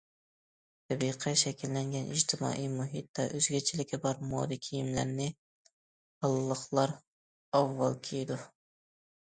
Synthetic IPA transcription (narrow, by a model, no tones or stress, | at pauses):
t̪ʰɛbiqʰɛʃɛkʲilːæŋɡʲɛnʔɪ̰d͡ʒt̪ʰɪmɑ̰ːʔijmuɦit̪̚d̪ɛʔøzɡʲɛt͡ʃʰilɪkʲʰɛbɑɾmo̰ːd̪ikʲʰijimlæɾnɪ | hɑlˠlːˠəχlˠɑɾ | ɑvːɑlˠkʲʰejd̪u